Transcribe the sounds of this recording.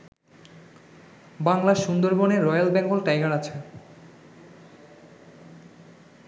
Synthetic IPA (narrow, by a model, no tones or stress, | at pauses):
baŋlaʃund̪oɾboneɾɔjalbɛŋɡolʈajɡaɾat͡ɕʰe